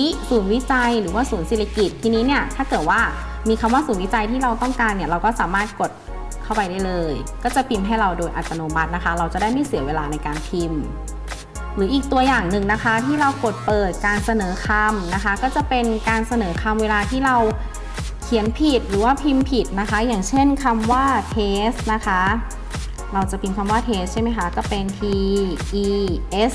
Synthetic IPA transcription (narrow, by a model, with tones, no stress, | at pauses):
i˦˥suː˨˩˦nwi˦˥t͡ɕa˧jɾɯː˩˦waː˥˩suː˩˦nsiː˨˩a˧ki˨˩t̪ʰːiː˧niː˦˥ni˥˩ɐt̪ʰaː˥˩kɤː˨˩t̪̚waː˥˩ | miː˧kʰa˧mwaː˥˩suː˩˦nwi˦˥t͡ɕa˧jt̪ʰiː˥˩ɾa˧wt̪ɔ˥˩ŋkaː˧nːi˧˥ɐɾa˧wkɔː˥˩saː˨˩˦maː˥˩t̪̚ko˨˩t̪̚ | kʰa˥˩wpa˧jdaː˥˩jlɤː˧jkɔː˥˩t͡ɕa˨˩pʰi˧mɦa˥˩jɾa˧wdoː˧jʔa˨˩t̪ːa˧noː˧ma˦˥t̪̚na˦˥kʰa˦˥ɾa˧wt͡ɕa˨˩da˥˩jmi˥˩si˨˩˦ɐweː˧laː˧na˧jkaː˧npʰi˧m | ɾɯː˩˦ʔiː˨˩k̚t̪u˧ɐjaː˨˩ŋnɯ˨ŋna˦˥kʰa˦˥t̪ʰiː˥˩ɾa˧wko˨˩t̪̚pɤː˨˩t̪̚kaː˧nsa˧nɤː˩˦kʰa˧mna˦˥kʰa˦˥kɔː˥˩t͡ɕa˨˩pe˧nkaː˧nsa˧nɤː˩˦kʰa˧mweː˧laː˧t̪ʰiː˥˩ɾa˧w | kʰi˨˩˦ənpʰi˨˩t̪̚ɾɯː˩˦waː˥˩pʰi˧mpʰi˨˩t̪̚na˦˥kʰa˦˥jaː˨˩ŋt͡ɕʰe˥˩nkʰa˧mwaː˥˩t̪ʰeː˦˥st̪̚na˦˥kʰa˦˥ | ɾa˧wt͡ɕa˨˩pʰi˧mkʰa˧mwaː˥˩t̪ʰeː˦˥s̚t͡ɕʰa˥˩jma˦˥jkʰa˦˥kɔː˥˩pe˧nt̪ʰiː˧ʔiː˧ʔe˦˥s